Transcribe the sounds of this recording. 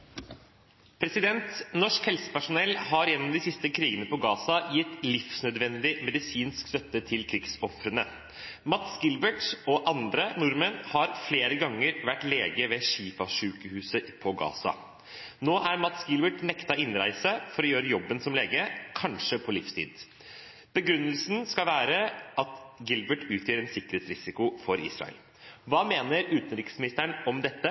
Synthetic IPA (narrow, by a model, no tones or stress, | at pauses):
pʰɾɛsɪd̪ɛnt̪nɔʂkhɛlsə̥pæʂʊnɛlːhɑɾjɛnːɔmd̪ɪsɪst̪əkʰɾiːɡənəpɔɡɑːsɑjɪt̪ːlɪfsnœd̪ʋɛnd̪ɪmɛd̪ɪsiːnskst̪œt̪ːət̪ʰɪlkʰɾɪɡsɔfɾənə | mɑt̪sɡɪlbəʈɔʔɑnd̪ɾənʊɾmənhɑɾfleːɾəɡɑŋːəɾʋæʈleːɡəʋɛʂiːfɑʂʉːkəhʉːsəpʰɔɡɑ̰ːsɑ̰ | noːʔæɾmɑt̪sɡɪlbəʈnɛkt̪ɑɪnɾæ̰ɪsəfɔɾɔjøːɾəjɔbːənsɔmleːɡəkʰɑnʂəpʰɔlɪfst̪ʰḭːd̪ | b̥əɡɾʉnːəlsn̩skɑlʋæːɾəɑt̪ɡɪlbəʈʉːt̪ʰjœːɾɛnsɪkəɾheːt̪sɾɪsɪkʊfɔɾḭːsɾɑ̰ə̰l | ʋɑːmeːnəɾʉːt̪ənɾɪkə̥smɪnɪst̪əɳɔmd̪ɛt̪ːə